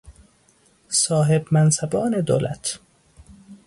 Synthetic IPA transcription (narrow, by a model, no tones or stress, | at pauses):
sɒːɦebmænsæbɒːned̪o̰ːlʔæ̰t̪ʰ